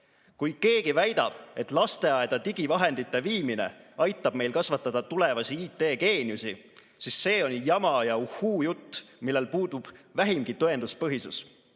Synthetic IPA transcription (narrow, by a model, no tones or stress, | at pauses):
kujke̞ːɡivæjd̪ɑ̰b̥e̞t̪ˑlɑst̪e̞ɑed̪̥ɑt̪iɡ̥ivɑɦe̞nd̪̥it̪ːˑe̞viːmine̞̰ɑjt̪ːˑɑb̥me̞jlkɑsvɑt̪ːˑɑd̪̥ɑt̪ule̞vɑsiiːt̪ːˑe̞ːke̞ːnʲiusi | sisːe̞ːo̞njɑmɑjɑuhuːjut̪ːmilːe̞lpuːd̪ub̥væɦimɡ̥it̪oe̞nd̪uspɤɦisus